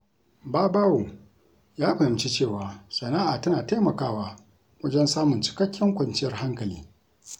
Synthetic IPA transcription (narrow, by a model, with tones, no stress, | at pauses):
baː˦baː˦wo˨ | jaː˦ɸɐ˨hɪ˨mt͡ʃi˦t͡ʃeː˦˨waː˨sɐ˨naː˦ʔa˨tɐ˦naː˨ta˦mɐ˨kaː˦waː˦ | wɐ˦d͡ʒɛ˦nsaː˦mʊ˨nt͡ʃɪ̥˨kɐ˦kʲʰːɪ˦ŋkʷɐ˨nt͡ʃɪ˦jɐ˨rha˦ŋkɐ˨lḭː˦